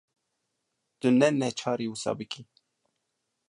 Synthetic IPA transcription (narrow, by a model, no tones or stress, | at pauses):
t̪ɨnɛnɛt͡ʃʰɑːɾiːwusɑ̰ːbɨkʰi